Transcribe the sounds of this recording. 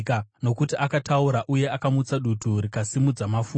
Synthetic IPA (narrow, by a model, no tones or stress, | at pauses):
kano̞kutiʔakatauɾaʔuje̞akamut͡saɗutʰuɾikasimud͡zamafu